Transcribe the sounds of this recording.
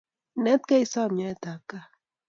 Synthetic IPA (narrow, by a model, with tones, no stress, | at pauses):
nɛ˦t̪ka˦i˦sa˦˨mɲa˨˦ɛ˦t̪a˨ka˦